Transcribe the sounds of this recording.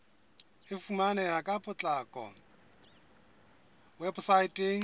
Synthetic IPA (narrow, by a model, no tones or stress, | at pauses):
ɪfumanɛlakʼapʼʊt͡ɬʼakʼɔ̰ | wɛbsaitʼeŋ̩